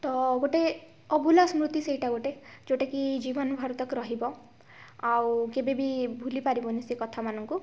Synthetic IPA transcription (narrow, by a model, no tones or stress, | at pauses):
t̪ɔɡoʈe | ɔbʱulasmɾut̪isejʈaɡoʈed͡ʒoʈekid͡ʒibɔnɔbʱaɾɔt̪ɔkɾɔɦibɔ | awkebebibʱulipaɾibɔnisekɔt̪ʰamanɔŋku